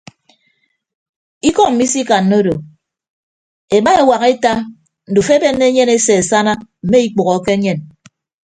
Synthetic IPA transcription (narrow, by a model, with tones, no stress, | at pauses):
i˦kɔ˦ŋm̩˨mi˦si˦ka˨nːo˦do˨ | e˨ma˦e˨wa˨ɣe˦ta˦ | n̩˨du˨fe˦be˦nːe˦ɲe˦ne˦se˨e˨sa˦na˦m̩˨me˦i˦k͡pu˨ɣɔ˨˦ke˦ɲe˦˨n